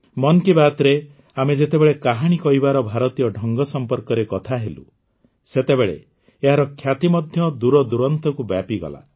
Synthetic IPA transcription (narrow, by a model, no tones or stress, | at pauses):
mɔnkibat̪ɾe | amed͡ʒet̪ebeɭekaɦaɽ̃ikɔɦibaɾɔbʱaɾɔt̪ijɔɖʱɔŋɡɔsɔmpɔɾkɔɾekɔt̪ʰaɦelṵ | set̪ebeɭḛ | eɦaɾɔkʰjat̪imɔd̪ʱjɔd̪uɾɔd̪uɾɔnt̪ɔkubjapiɡɔ̰la̰